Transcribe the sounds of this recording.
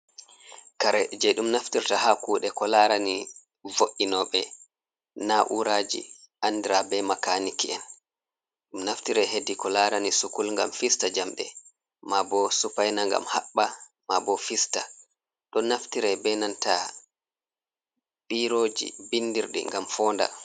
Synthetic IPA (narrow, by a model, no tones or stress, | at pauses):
kaɾɛd͡ʒɛɗumnaftiɾtahakuːɗɛkɔlaɾani | voʔːinɔɓɛ | naʔuɾad͡ʒḭ | ʔandiɾabɛmakanikiɛn | ɗumnaftiɾɛɦedikɔlaɾanisukulŋɡa̰mfistad͡ʒamɗɛ̰ | mabɔsupajnaŋɡa̰mhaɓːa | mabɔfista | ɗɔnːaftiɾɛbɛnanta | biɾoːd͡ʒḭbindiɾɗɛ̰ŋɡamfɔːnda̰